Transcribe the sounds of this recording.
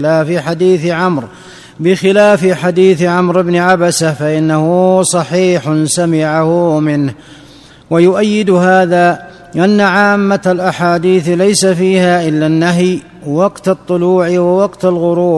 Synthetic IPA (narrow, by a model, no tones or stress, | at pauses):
laːfɪħad̪iːθʕamɾ | bɪxɪlaːfɪħad̪iːθʕamɾɪbnɪʕabasahfaʔɪnːahʊsˤɑħiːħsamɪʕahʊmɪnh | wajʊʔajːɪd̪ɦaːðaː | ʔanːaʕaːmːalʔaħaːd̪iːθlajsafiːhaːʔɪlːanːaɦj | wɑqt̪ɑt̪ˤːʊluːʕɪwawɑqt̪alɣʊɾuː